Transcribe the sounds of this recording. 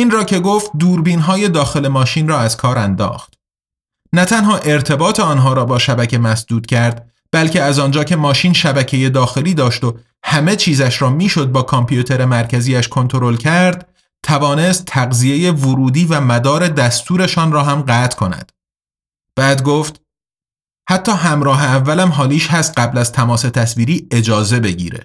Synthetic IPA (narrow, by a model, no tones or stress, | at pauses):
ʔiːnrɒːcʰe̞ɡoːft̪̚d̪uːɾbiːnɦɒːje̞d̪ɒːxe̞le̞mɒːʃiːnrɒːæzkʰɒːɾænd̪ɒ̰ːxt̪ | næt̪ʰænɦɒːʔe̞ɾt̪ʰe̞bɒːt̪ʰeɒːnɦɒːɾɒːbɒːʃæbæcʰe̞mæsd̪uːd̪̥cʰæɾd̪̥ | b̥ælce̞æzɒnd͡ʒɒːcʰe̞mɒːʃiːnʃæbæcʰe̞je̞d̪ɒːxe̞liːd̪ɒːʃt̪o̞ | hæme̞t͡ʃʰiːzæʃɾɒːmiːʃo̞d̪̚bɒːkʰɒmpʰjut̪ʰe̞ɾe̞mæɾcʰæziːæʃkʰo̞nt̪ʰo̞ɾo̞lcʰæɾd̪̥̚ | t̪ʰævɒːne̞st̪ʰːæɣzijeje̞voɾuːd̪iːvæmæd̪ɒːɾe̞d̪æst̪ʰuːɾe̞ʃɒːnrɒːɦæmɢæːt̪ʰkʰo̞næ̰d̪̥ | b̥æːd̪ɡoːft̪ | hæt̪ʰːɒːɦæmɾɒːɦeævːælæmɦɒːliːʃɦæst̪̚ɢæblæzt̪ʰæmɒːse̞t̪ʰæsviːɾiːe̞d͡ʒɒːze̞be̞ɟḭːɾḛ